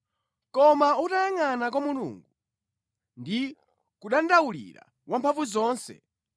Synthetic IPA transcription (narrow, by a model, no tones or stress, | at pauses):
kɔmautaaŋanak̬wamulṵːŋɡu | ndi | kuɗandawulḭɾa̰ | wʔampʰaɱvuzɔːnsɛ̰